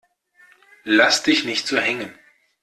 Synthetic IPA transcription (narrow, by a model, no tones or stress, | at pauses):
lasd̥ɪçnɪçtz̥oːɦɛŋən